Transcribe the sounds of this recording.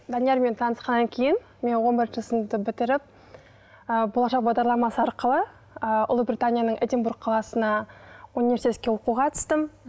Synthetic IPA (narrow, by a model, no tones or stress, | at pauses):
d̪anijɑɾme̞nt̪ʰɑnəsqɑnːɑŋkʲʰe̞jɪn | me̞nwo̞nbɪɾʒəlˠsəmd̪əbɪt̪ɪɾɪp̚ | əbolˠɑʃɑq̚bɑʁd̪ɑɾlˠɑmɑsəɑɾqəlˠə | əʊ̰lˠubɾʲit̪anʲijanəɴʔed̪ʲembuɾɡ̚qʰːɑlˠɑsənɑunijvʲe̞ɾsit̪et̪̚ʲkʲe̞wo̞quʁɑt̪ʰə̥st̪əm